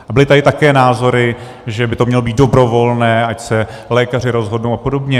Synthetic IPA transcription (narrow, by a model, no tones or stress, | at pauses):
ʔabɪlɪt̪adɪt̪akɛːnaːzo̞ɾɪ | ʒɛbɪt̪omɲɛlobiːt̪̚do̞bɾo̞vo̞lnɛːacsɛ | lɛːkar̝ɪɾo̞zɦo̞dnowapo̞do̞bɲɛ